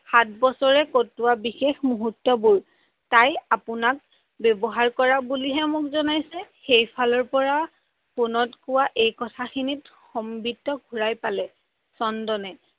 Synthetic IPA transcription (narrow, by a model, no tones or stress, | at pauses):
xatbɔsɔɹɛkotːʊwabixexmuɦutːɔbuɹ | tajapʊnak̚ | bɔbɔɦaɹkɔɹabuliɦɛmʊkzɔnajsɛxejpʰalɔɹpɔɹa | pʊnɔtkʊwaʔejkɔtʰaxʰinit | xɔmbidɔɡʱuɹajpalɛ | sɔndɔnɛ